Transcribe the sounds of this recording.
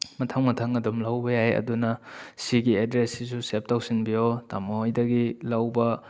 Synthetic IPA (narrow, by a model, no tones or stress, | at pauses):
mɐtʰɐŋmɐtʰɐŋɐdomlɐwbɐjaɦeɐ̰dunɐsiɡiedɾesːisusep̚tawsinbijotamɐhojdɐɡilɐwbɐ